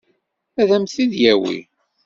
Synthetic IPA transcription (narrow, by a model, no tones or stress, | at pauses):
æðæmθiðjæwḭ